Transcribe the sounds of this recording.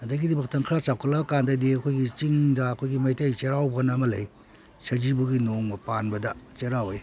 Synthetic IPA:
ɐdɐɡidibɐk̚tɐŋkʰɾat͡ʃawkʰɐlɐbɐkandɐdiɐkʰojɡit͡ʃiŋdɐːkʰojɡimɐjtajt͡ʃeɾawbɐnɐmɐlɐj | sɐd͡ʒibuɡinoŋmɐpanbɐdɐt͡ʃeɾawj

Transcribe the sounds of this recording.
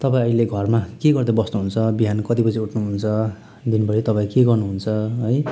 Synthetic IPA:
t̪ʌpaĩʌileɡʱʌrmakeɡʌrd̪abʌsnuɦunt͡sʰʌbiɦanʌkʌt̪ipʌt͡sʰiuʈʰnuɦunt͡sʰʌ | d̪inbʌɽit̪ʌpãĩkeɡʌrnuɦunt͡sʰʌɦʌj

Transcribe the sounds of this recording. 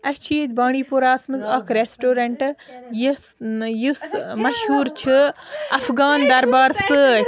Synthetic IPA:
ɐt͡ʃʰiːd̪baːɳ̃iːpuɾaːsmɨzɐkʰɾesʈoːɾɐɳʈj | jusmɐʃhuːɾt͡ʃʰɨɐfɡaːnd̪ɐɾbaːɾsɨ

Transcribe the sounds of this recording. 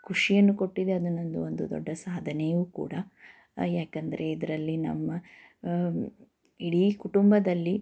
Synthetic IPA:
kʰuʂijɐnːuko̞ʈːid̪eɐd̪ɐnːo̞nd̪uond̪ud̪ɔ̰ɖːɐsaːd̪ʱɐnejuːkṵːɽɐ | jaːkɐnd̪ɐɾe̞id̪ɐɾɐlːinɐ̰mːɐ | iɽikuʈumbɐd̪ɐlːi

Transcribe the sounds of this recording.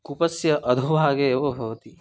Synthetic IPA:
kupɐsjɐʔɐd̪ʱubʱaːɡeːʋobʱɐʋɐt̪i

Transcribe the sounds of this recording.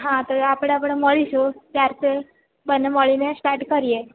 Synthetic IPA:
ɦãt̪oapɽ̃eapɽ̃eməɭiʃut̪jaɾt̪e | bənːeməɭinesʈaɾʈkəɾije

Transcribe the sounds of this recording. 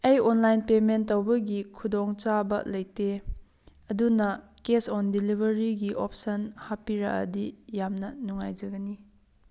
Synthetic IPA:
ejɔnlajnpementːɐwbɐɡikʰudɔŋt͡ʃabɐ̰lɐjte | ɐdunɐkesɔndilibʱɐɾiɡiʔop̚sɐnhapiɾɐ̰kʔɐ̰dijamnɐnuŋajd͡ʒɐɡɐni

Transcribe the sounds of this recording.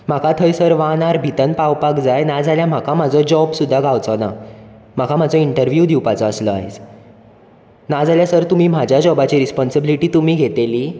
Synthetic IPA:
m̤akʰat̪ʰəjsəɾʋanaɾbʱit̪ənpawpakd͡zajnad͡zaljam̤akʰãm̤ad͡zɔd͡ʑɔbsud̪ʱːaɡawt͡sɔna | m̤akʰam̤ad͡zɔiɳʈəɾʋjud̪iwpat͡sɔəslɔa̰ɦet͡s | nad͡zaljasəɾt̪um̤iːm̤ad͡ʑʱjad͡ʑɔbat͡ɕiɾispɔnsəbiliʈiːt̪um̤iːɡʱet̪eliː

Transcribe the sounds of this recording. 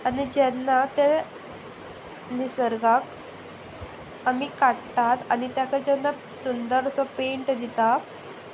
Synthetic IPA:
anid͡ʑɛnːat̪ɛ | nisəɾɡak | amikaɽʈat̪anit̪jakʰad͡ʑɛnːa | sund̪əɾsɔpeɳʈd̪it̪a

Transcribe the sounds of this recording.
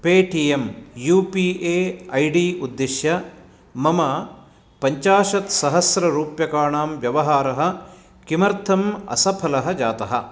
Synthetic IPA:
peːʈiemjuːpiːʔeːɐjɖiːud̪ːiʃjɐ | mɐmɐ | pɐɲt͡ʃaːʃɐt̪sɐɦɐsɾɐɾuːpjɐkaːɳaːmʋjɐʋɐɦaːɾɐɦɐ̆ | kimɐɾt̪ʰɐmɐ̰sɐpʰɐlɐɦɐd͡ʒaːt̪ɐɦɐ

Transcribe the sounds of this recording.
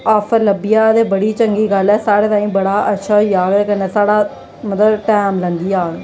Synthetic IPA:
aːfʰəɾləbɪjaːt̪eːbəɽiːt͡ʃəŋɡiːɡəlɛːsaːɾeːt̪ãːĩːbəɽaːʔətːʃʰaːiːaːɡɛːkəneːsaːɽaː | mət̪ləbʈɛːmlənd̪iːjaːɡ

